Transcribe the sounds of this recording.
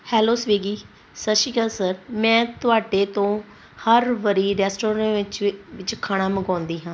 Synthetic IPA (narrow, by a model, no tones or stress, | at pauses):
hɛːloːsʋeːɡiː | səʃiːɡəlsəɾmɛ̃ːt̪ʊaːɖeːt̪õː | həɾʋəɾiːɾɛːsʈoːɾɾẽːɪt͡ʃʋɪt͡ʃkʰaːɽ̃aːməɡãːnd̪iːɦãː